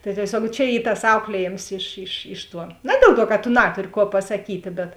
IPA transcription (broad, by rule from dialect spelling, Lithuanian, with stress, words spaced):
tɐɪ tʲiɛˈsʲuɔk t͡ʃʲɛ ˈiː tɐs ˈɐʊklʲiɛˌjeːms ɪʃ ɪʃ ˈɪʃ ˌtuɔ ˈnɐ dʲiɛlˠ ˌtuɔ kɐ tʊ ˈnɑːtʊrʲɪ ˈkuɔ pɐsɐˈkʲiːtʲeː bʲɛt